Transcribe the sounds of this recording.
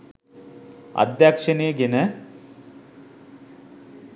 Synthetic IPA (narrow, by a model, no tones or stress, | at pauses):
ɐ̰d̪jakʂɐnejəɡenə